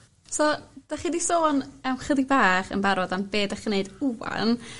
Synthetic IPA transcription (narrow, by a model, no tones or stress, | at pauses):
soːd̥aχidisoːnɛwmχədibaːχə̰nbaɾɔdambeːdaχneɨduwa̰n